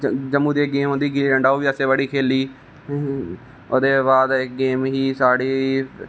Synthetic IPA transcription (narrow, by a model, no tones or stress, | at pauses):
d͡ʒəmːuːd̪eːɡeːmɦõnd̪iːɡɪliːɾə̃ɳɖaːoːʋiːəseːʋəɽiːkʰeːliː | oːd̪eːbaːd̪ɪk̚ɡeːmɦiːsaːɽiː